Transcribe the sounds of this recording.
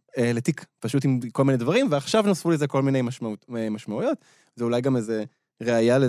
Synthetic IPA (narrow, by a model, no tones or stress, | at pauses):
eletikpaʃut̬imko̞lmined̪vaʁimveaχʃavnosfulezeko̞lminejmaʃmauemaʃmaujo̞t | zeulajɡameze | ʁeajale